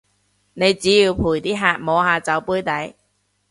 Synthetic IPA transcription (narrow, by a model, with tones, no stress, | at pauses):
ne˨˧jt͡siː˨˥jiː˧wpʰuː˨˩jt̪iː˥ɦaː˧t̚mɔː˨˧haː˧t͡sɐ˨˥wpuː˥jt̪ɐ˨˥j